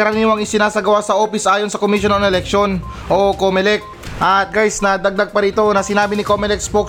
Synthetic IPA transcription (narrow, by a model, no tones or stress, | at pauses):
ɐɾɐmiːwɐŋɪsɪnaːsɐɡɐwasɐʔo̞ːpɪsʔaːjo̞nsɐkomiːʃonɐŋɛlɛk̚ʃon | ʔo̞komɛlɛk̚ | ʔɐt̪̚ɡajsnɐd̪ɐɡ̚d̪aɡ̚pɐɾiːt̪o̞nɐsɪnaːbɪnɪkomɛlɛk̚spok